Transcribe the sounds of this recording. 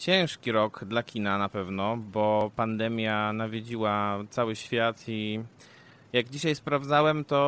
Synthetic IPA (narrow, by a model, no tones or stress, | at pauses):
t͡ɕɛ̃w̃ʂkʲiɾɔɡd̪lakʲinanapɛvnɔbɔpand̪ɛmʲjanavʲjed͡ʑiwat̪sawɘɕfʲjat̪ʰi | jaɡd͡ʑiɕajspɾavd̪zawɛmt̪ɔ